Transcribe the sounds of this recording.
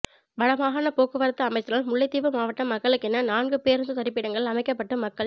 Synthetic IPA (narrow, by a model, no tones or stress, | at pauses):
ʋɐɽɐmaːɣaːnɐpoːkːɯʋɐɾɐt̪ːɯɐmɐɪt̪ːɯɾaːlmʊɭːɐɪt̪ːiːʋɯmaːʋɐʈːɐmːɐkːɐɭɯkːɛnːɐnaːnɡɯpeːɾɯnsɯt̪ɐɾɪpːɪɽɐŋɡɐɭɐmɐɪkːɐpːɐʈːɯmɐkːɐɭ